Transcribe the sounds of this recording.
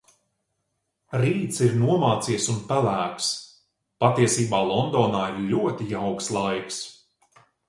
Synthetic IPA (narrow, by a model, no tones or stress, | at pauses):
ɾiːt̪siɾnuɔmaːt̪siɛsunpælæːks | pat̪iɛsiːbaːlˠɔnd̪ɔːnaːiɾʎʲuɔt̪iawkslˠajks